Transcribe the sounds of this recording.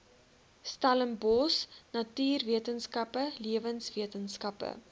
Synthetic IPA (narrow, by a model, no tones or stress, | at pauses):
stɐləmbɔsnɐtyːrviətənskɐpəliəvənsviətənskɐpə̰